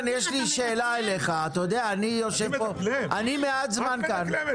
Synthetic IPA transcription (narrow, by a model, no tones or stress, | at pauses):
njeʃliʃeːlaeleχaːt̪ajod̪eaːnijo̞ʃevpoʔanimeat̪zmankan